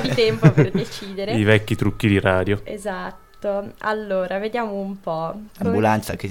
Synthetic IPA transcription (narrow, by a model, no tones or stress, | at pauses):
d̪it̪ɛmpoperd̪et͡ʃiːd̪eɾeivɛkːit̪ɾukːid̪iraːd̪joḛzat̪ːoa̰lːoːɾaved̪jaːmoumpɔambulant̪sake